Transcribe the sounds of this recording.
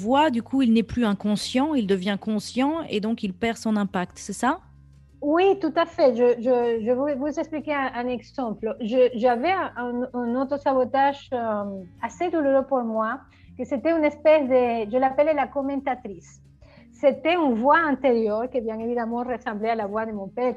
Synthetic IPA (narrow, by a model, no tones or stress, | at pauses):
vwad̪ykʰuilnɛplyɛ̃kɔ̃sjɑ̃ild̪əvjɛ̃kɔ̃sjɑ̃ḛd̪ɔ̃kilpɛʁsɔ̃nɛ̃pakt̪sɛsa | wit̪ut̪afɛʒəʒəʒəvuvuzɛksplikeɛ̃ʔɛ̃nɛɡsɑ̃plʒəʒavɛɛ̃ʔɛ̃ːnot̪ɾəsaβot̪aʒøased̪uluʁøpuɾmwa | kəset̪ɛynɛspɛsd̪eʒəlapəlelakɔmɑ̃t̪at̪ɾisː | et̪ɛynvwaɛ̃nt̪eʁjœʁkebjɛ̃nevid̪amɑ̃resɑ̃mblealavwad̪əmɔ̃pɛ